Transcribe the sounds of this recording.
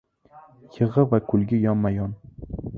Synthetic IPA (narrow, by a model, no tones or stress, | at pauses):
jɨʁɨvakʰʊlˠɡʲɪjɒmmːajɒn